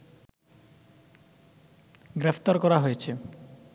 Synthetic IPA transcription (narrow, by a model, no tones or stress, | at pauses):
ɡɾepʰt̪aɾkɔɾaɦojet͡ɕʰe